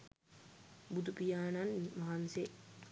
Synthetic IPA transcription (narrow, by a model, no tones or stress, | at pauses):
bud̪upijaːnanmaɦanse